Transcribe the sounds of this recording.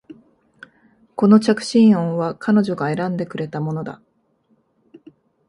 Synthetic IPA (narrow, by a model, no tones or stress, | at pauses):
ko̞no̞t͡ɕakɯ̟̥ɕĩɰ̃õɰ̃βakano̞ʑo̞ɡae̞ɾãnd̪e̞kɯ̟ɾe̞t̪amo̞no̞d̪a̰